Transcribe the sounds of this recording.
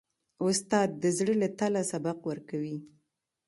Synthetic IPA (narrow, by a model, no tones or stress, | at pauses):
ʊst̪ɑd̪̚ːəzɽəlat̪alasabaqwəɾkawi